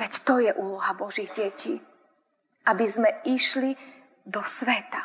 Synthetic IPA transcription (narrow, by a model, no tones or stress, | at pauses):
ɛct̪ɔjɛʔuːlɔɦabɔʒiɣɟɛciː | ʔabizmɛiʃli | d̪ɔsʋɛt̪a